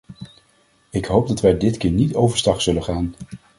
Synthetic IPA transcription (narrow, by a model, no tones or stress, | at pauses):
ɪkɦowp̚dɑtʋɛjdɪtkɪːɹnitowvəɹstɑχsɵləχaːn